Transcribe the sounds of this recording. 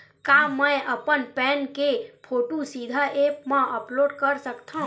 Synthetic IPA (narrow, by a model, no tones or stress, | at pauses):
kaməjəpənpɛnkepʰoʈusid̪ʱəepmẽʔəploɖkəɾsəkt̪ʰə̃